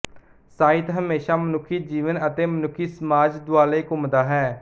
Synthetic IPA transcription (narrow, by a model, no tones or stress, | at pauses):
saːɪt̪ɦəmeːʃaːmənʊkʰːiːd͡ʒiːʋənət̪eːmənʊkʰːiːsəmaːd͡ʒd̪ʊaːleːkʊmd̪aːɦɛː